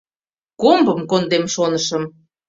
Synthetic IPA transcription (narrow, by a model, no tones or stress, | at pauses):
kombəmkond̪emʃonəʃə̆m